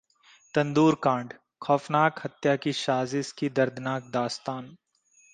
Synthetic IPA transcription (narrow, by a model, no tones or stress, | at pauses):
t̪ɐ̃nd̪uːɾkãːɳɖ | kʰɔːfnaːkhɐt̪jakiʃaːzɪskid̪ɐɾd̪ʱnaːk̚d̪aːst̪aːn